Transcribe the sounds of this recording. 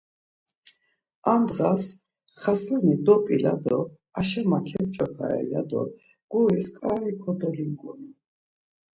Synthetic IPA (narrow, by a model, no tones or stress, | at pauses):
amd̪ʁas | χaslɛnid̪ɔpʼilad̪ɔ | aʃɛmakʰɛm̚t͡ʃʼɔpʰa̰ɛ̰jad̪ɔ̰ | ɡ̥uɾiskʼaikʰɔd̪ɔliŋɡɔni